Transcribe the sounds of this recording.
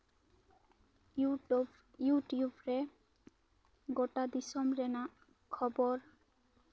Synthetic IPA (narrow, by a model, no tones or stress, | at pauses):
juʈjubɾe | ɡoʈad̪isɔmɾɛna | kʰɔbɔɾ